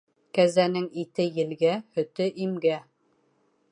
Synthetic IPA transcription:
kæzænɘŋit̪ɘjɘ̆lɡæhɵ̆t̪ɘʔimɡæ

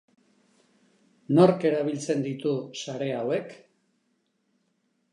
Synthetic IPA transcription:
no̞ɾke̞ɾaβ̞ilt͡se̞nd̪it̪usaɾe̞awe̞k

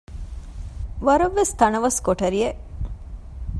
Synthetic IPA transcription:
ʋɐɾɐʋːest̪ɐnɐʋɐskoʈɐɾie

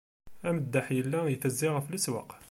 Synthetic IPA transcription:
æməd̪ːaħjəlːæjəθəzːɪʁəfləswɑ̰q

